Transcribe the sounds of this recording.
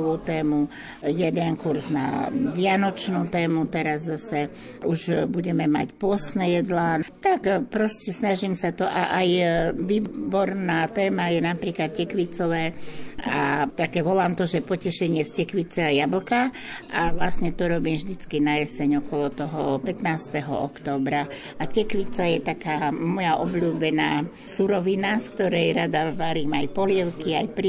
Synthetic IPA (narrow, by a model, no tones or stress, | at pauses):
ʋuːt̪ɛːmu | jɛd̪ɛnkuɾzna̰ʋɪanɔt͡ʃnuːt̪ɛːmut̪ɛɾazːasɛ | ʔuʒbuɟɛmɛma̰cpʊɔst̪nɛjɛd̪laːt̪akpɾɔscɛsnaʒiːmsat̪ɔʔaʔajʋiːbɔɾnaːt̪ɛːmajɛnapɾiːklat̪̚cɛkʋit͡sɔʋɛːa̰t̪akɛːʋɔlaːmt̪ɔʒɛpɔcɛʃɛɲɪɛscɛkʋit͡sɛajabl̩ka | ʔaʋlasɲɛt̪ɔɾɔbiːmʒd̪it͡skinajɛsɛɲɔkɔlɔt̪ɔɦɔpɛt̪naːst̪ɛɦɔ̰ʔɔ̰kt̪ɔːbɾa | acɛkʋit͡sajɛt̪akaːmɔjaʔɔbʎuːbɛnaː | suɾɔʋinaskt̪ɔɾɛjɾad̪aʋaɾiːmajpɔlɪɛʊkiajpɾi